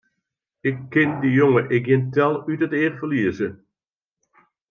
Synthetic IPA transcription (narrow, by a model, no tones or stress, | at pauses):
ɪkːɪndijoŋəʔɪk̚ɡjɪntɛlˠytətɪːrfəliəzə